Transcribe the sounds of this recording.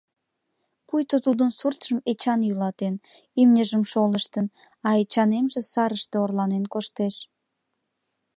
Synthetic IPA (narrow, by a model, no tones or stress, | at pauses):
pujt̪ot̪ud̪ənsurt̪ʒ̥əmet͡ɕɑnjylɑt̪en | imnʲəʒəmʃoləʃt̪ən | ɑet͡ɕɑnemʒesɑɾəʃt̪eorlɑnenkoʃt̪eʃ